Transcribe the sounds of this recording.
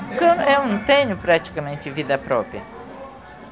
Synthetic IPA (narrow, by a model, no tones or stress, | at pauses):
kewewnɐ̃w̃t̪ẽɲʊpɾat͡ʃi̥kɐmẽnt͡ʃ̪ɪvid̪ɐpɾɔpɾjɐ̰